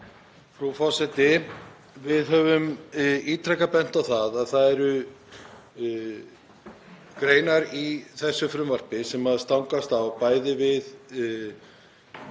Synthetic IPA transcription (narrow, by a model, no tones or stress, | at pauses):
fɾufɔsɛt̪ɪ | vɪðɦœvʏmiːt̪ʰɾɛkapɛn̥t̪awθaðaðθaðɛɾʏ | kɾeːjnaɾiθɛsːʏfɾʏmvar̥pɪsɛmaðst̪awŋkast̪awpaːjðɪvɪð